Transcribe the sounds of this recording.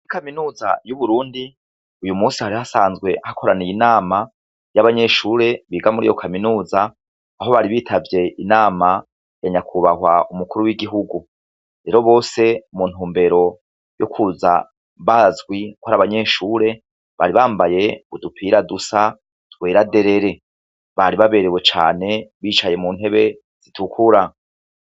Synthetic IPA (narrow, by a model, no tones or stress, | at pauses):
ikaminuːzajuβuɾuːndi | ujumuːsihaɾihasaːnzɡwe̞ʔahakʰo̞ɾanejinaːma | jaβaɲe̞ʃuːɾe̞βiːɡamuɾḭːjo̞kʰaminuːzaː | ɦo̞βaɾiβiːtʰavje̞ʔinaːma | jaɲakʰuβahwaʔumukuɾuwiɡiɦuɡu | ɾe̞ɾo̞βo̞ːse̞mun̥huːmbe̞ɾo̞ | jokʰuza̰ | βaːzɡwikwoaɾaβaɲe̞ːʃuːɾe̞ | βa̰ɾiβaːmbaje̞udupʰiːɾadusa | tweːɾade̞ɾe̞ɾe̞ | βaɾiβaβe̞ɾewe̞t͡ʃa̰ːne̞βiːt͡ʃaje̞muːn̥he̞βe̞ | z̥itʰukʰuɾa